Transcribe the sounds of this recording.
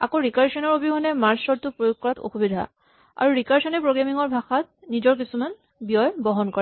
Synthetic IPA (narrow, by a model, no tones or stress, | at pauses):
a̰koɹikaɹsɔnɔɹobiɦɔnɛmaɹsɔɹtʊpɹojoɡ̚kɔɹatʰo̰xubid̪ʱa̰ | a̰ɹuɹikaɹsɔnɛpɹoɡɹamiŋɔɹbʱaxat̚ | nid͡ʒɔɹk̬isuman | bijɔjbɔɦɔnkɔɹɛ